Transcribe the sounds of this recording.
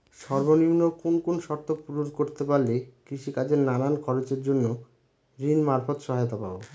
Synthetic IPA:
ʃɔɾbonimnokonkonʃɔɾt̪opuɾud̪koɾt̪epaɾlekɾiʃikad͡ʑeɾnaɾankʰɔɾot͡ɕeɾd͡ʑonːo | ɾinmaɾfot̪ʃɔɦajot̪apabo

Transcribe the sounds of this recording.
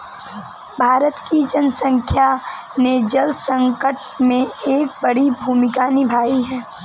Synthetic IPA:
bʱaːɾət̪kid͡ʒənsə̃ŋkʰjaned͡ʒəlsə̃ŋkəʈ | mẽeːk̚bɐɽibʱuːmɪkaːnibʱaːiɦɛː

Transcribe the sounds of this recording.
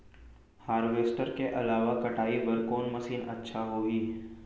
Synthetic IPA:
haːɾʋeːsʈəɾkeʔɐlaːʋakɐʈaːibɐɾkoːnmɐsiːnɐ̰tːʃʰaɦoːɡiː

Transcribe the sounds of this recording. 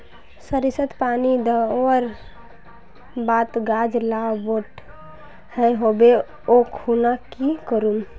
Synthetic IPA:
səɾisət̪panid̪əəɾ | bat̪ɡad͡ʒlaboʈ | həɦobe | okʰunakikəɾum

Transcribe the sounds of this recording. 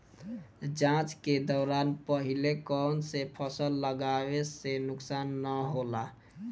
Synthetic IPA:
d͡ʒãt͡ʃked̪ɔːɾanpəɦilekɔːnsepʰəsəlːəɡawesenʊksaːnːəɦola

